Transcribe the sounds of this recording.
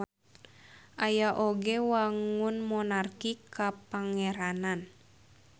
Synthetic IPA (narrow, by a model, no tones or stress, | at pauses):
ʔajaʔoɡɛwaŋunmɔnarkikapaŋɛɾanan